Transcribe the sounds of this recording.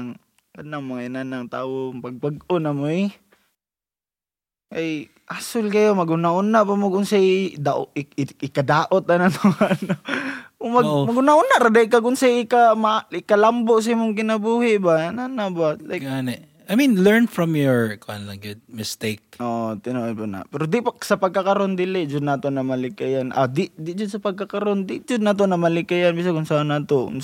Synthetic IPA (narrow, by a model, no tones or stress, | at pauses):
ŋ | kanamoinanaŋt̪aːwoŋpaɡ̚baɡʊnamoi | kaj | asʊlkajomaɡʊnaʔʊnːaʔbamoɡʊnsadaʔɪkadaːʔʊt̪̚anat̪ʊano | maɡmaɡʊnaʊnaʔɾadaɪk̬aɡʊnsajɪkamaɪkalamboʔs̬aimʊŋk̬ɪnɐbuhɪʔbaananabalajɡanɛ | ajmĩnlɛɹnfɹɔ̃mjɔɹkanlɐɡʊd̚mɪst̪eɪk̚ʔoʔot̪ɪnoʔajpana̰pɛɾod̪ɪpasapɐɡ̚kakaɾond̪ɪlɪʔd͡ʒʊd̪̚naːt̪onamalɪkajanʔa̰d̪ɪʔd̪ɪd͡ʒʊd̪̚sɐpɐɡ̚kakaɾond̪ɪd͡ʒʊd̪̚nat̪onamalɪkajanbiʔs̬akʊnsanat̪o̰n